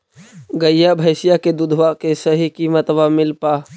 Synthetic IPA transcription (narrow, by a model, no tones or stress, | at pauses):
ɡəjjabʱəɪsijaked̪ʊd̪ʱʋakesəɦikimət̪ʋamɪlpaː